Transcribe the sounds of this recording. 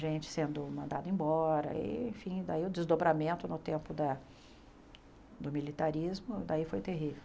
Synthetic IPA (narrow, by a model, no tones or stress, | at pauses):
ʒẽnt͡ʃɪ̥sẽnd̪ʊmɐ̃nd̪ad̪ʊẽbɔɾɐ̰ḭḛ̃fĩd̪aiʊd̪ɪzd̪obɾamẽnt̪ʊnʊt̪ẽmpʊd̪ɐ | d̪ʊmilit̪aɾizmʊd̪aifojt̪eɦivew